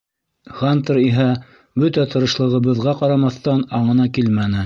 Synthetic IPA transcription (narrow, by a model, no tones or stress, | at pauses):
χant̪ɤɾiɦæ | bɵt̪æt̪ʰɤ̆ɾɤ̆ʃlˠɤ̆ʁɤ̆βɤ̆ðʁɑqɑɾɑmɑθt̪ɑnɑɴɤ̆nɑkilmænɘ